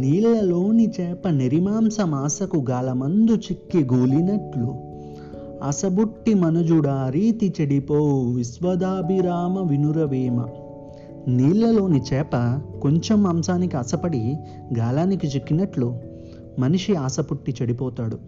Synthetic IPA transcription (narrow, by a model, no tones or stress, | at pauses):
niːlːɐlo̞ːnit͡ʃɛːpɐniɾimaːmsɐmaːsɐkuɡaːlɐmɐnd̪ut͡ʃikːiɡuːlinɐʈlu | ɐ̰sɐbuʈːimɐnɐd͡ʒuɽaːɾiːt̪it͡ʃɐɽipoːʋisʋɐd̪aːbʱiɾaːmɐʋinuɾɐʋiːmɐ̰ | niːɭːɐlo̞ːnit͡ʃɛːpɐko̞ɲt͡ʃemaːmsaːnikiɐsɐpɐɽi | ɡaːlaːnikit͡ʃekːinɐʈlu | mɐniʂiaːsɐpuʈːit͡ʃɐɽipɔːt̪aːɽu